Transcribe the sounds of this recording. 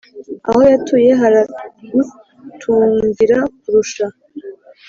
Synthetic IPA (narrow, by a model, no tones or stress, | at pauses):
a̰ho̞jatuje̞ɦaɾaɡu | tʰuːŋɡiɾak̚uɾuʃa